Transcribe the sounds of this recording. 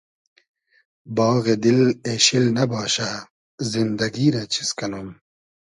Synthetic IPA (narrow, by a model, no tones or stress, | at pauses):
bɑːɣed̪ileːɕilnɐbɑːɕa | zind̪ɐɡiːɾɐt͡ɕʰi̥skɐnum